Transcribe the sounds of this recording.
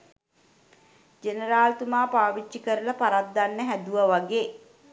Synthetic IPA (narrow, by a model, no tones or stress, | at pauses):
d͡ʒenəɾaːlt̪umaːpaːʋit͡ʃːikəɾəlapaɾat̪̚ːanːəɦæd̪uʋəʋaɡeː